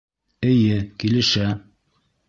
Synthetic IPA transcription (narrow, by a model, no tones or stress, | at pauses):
ɘ̆jɘkilɘ̆ʃæ